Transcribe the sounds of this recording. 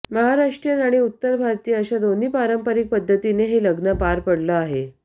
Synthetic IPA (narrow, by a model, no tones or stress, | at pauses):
məɦaɾaʂʈɾjənaɽ̃iut̪ːəɾbʱaɾt̪ijəəɕad̪on̤iːpaɾəmpəɾik̚pəd̪ʱːət̪ineɦeləɡnəpaɾpəɽləaɦe